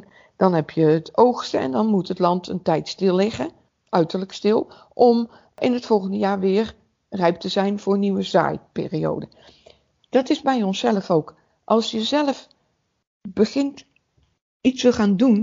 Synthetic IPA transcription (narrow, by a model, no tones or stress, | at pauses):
d̥ɑnɦɛpʰjəətʰowχstəɛ̰ndɑnmutɦətlɑntʰəntɛjtstɪlˠːɪχə | ʔœɥtəɹləkstɪlˠ | ʔɔm | ʔɪnətfɔlˠχəndəjaːɹʋɪːr | rɛɥp̚təzɛjnvʊːɹniʋəza̰ːjpɪ̰ːrio̰wdə | d̥ɑtɪzbɛjɔnsɛləfowk | ʔɑlˠsjəzɛləf | bəχɪnt | itstəχaːndun